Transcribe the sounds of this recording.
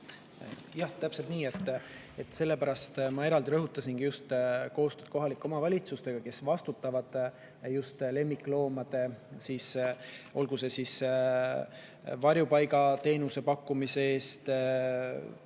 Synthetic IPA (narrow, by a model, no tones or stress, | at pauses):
jɑht̪æpse̞lt̪niːe̞t̪ːˑ | et̪ːse̞lːe̞pæɾɑst̪mɑe̞ɾɑld̪iɾɤɦut̪ːˑɑsinɡ̥ijust̪ko̞ːst̪ød̪̥̚ko̞ɦɑlikːˑo̞mɑvɑlʲit̪sust̪e̞ɡ̥ɑke̞svɑst̪ut̪ːˑɑvɑd̪̥ | just̪le̞mːikːˑlo̞ːmɑd̪̥e̞siːsʔo̞̰lɡ̥use̞sis | vɑrjupɑjɡɑt̪e̞ːnuse̞pɑkːumiseeːst̪